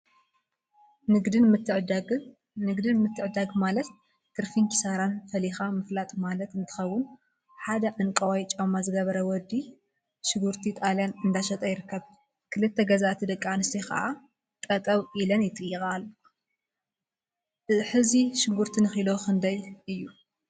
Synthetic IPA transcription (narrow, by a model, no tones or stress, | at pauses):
nɨɡd̪ɨmɨʕd̪ɡ | nɨɡd̪ɨnmɨt̪ʰːɨʕɨd̪aɡmalɐt̪ː | ɨɾfiŋkʰi̥saɾanfɐlixamɨflat̪ʼmalɐt̪ɨnt̪ʰɨ̥xɐwːʊn | ħad̪ɐʕɨŋkʼɐwajt͡ʃʼɐmazɨɡɐβɐɾɐwɔd̪ːi | ʃɪɡuɾt̪ʰit̪ʼaljanɨnd̪aʃɐt̪ʼɐjɪɾɨkʰːɐβ | kʰɨlɨt̪ʰːɐɡɐzaʔt̪ʰid̪ɐkʼːanɨst̪ikʰɐ̰ʔa | t̪ʼɐt̪ʼɐβilɐnjɪt̪ʼɨjːɨxalːu | ɨħɨziʃɪɡuɾt̪ʰinɨxilo̞kɨnd̪ɐjɨjːu